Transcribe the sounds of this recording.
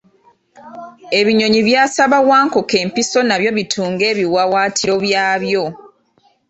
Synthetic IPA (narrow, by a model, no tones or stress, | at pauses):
e̞βiɲo̞ɲiβjaːsaβawaːŋkoke̞ːmpiso̞naβjo̞βitʰuːŋɡe̞ːβiwawaːtʰiɾo̞βjaːβjo̞